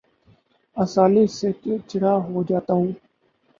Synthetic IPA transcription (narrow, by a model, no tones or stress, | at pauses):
əsaːliːseːket͡ʃəɽaːɦoːd͡ʒaːt̪aːɦũː